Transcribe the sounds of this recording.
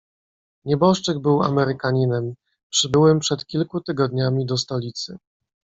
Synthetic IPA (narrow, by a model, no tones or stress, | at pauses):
ɲɛbɔʂt͡ʂɛɡbɘwa̰mɛɾɘkaɲinɛm | pʂɘbɘwɛmpʂɛt̪kʲilkut̪ɘɡɔd̪ɲamʲid̪ɔst̪ɔlʲit̪sɘ̰